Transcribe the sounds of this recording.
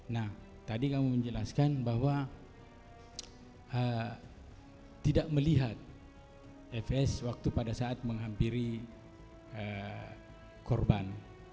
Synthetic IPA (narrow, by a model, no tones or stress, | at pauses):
nah | t̪adikamuməɲd͡ʒəlaskanbaɦwa | ə | t̪idaʔməliɦat̪̚ | ɛfɛswak̚t̪upadasaːt̪̚məŋɦampiɾi | ə | kɔrban